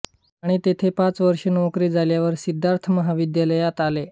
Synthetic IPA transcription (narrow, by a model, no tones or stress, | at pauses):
aɽ̃it̪et̪ʰepãt͡sʋəɾʂənokɾiːd͡zaljaʋəɾsid̪ʱːaɾt̪ʰəməɦaʋid̪jaləjat̪ale